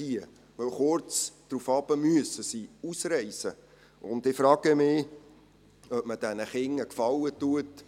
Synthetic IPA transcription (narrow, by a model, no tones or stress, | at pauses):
iə | ʋəwχʊrt͡sd̥ɾufɑb̥əmyəsəsiːusrɛɪsə | ʊndɪfɾɑːɡ̥əmɪ | œpməd̥ɛnəχɪŋːəkfɑlːətuət